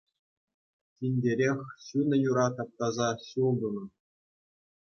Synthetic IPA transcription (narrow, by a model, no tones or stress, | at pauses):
tʲinʲdʲeɾʲexʲɕunʲɤ̆juɾɑt̪ɑp̚t̪ɑzɑɕulˠd̪unɤ̆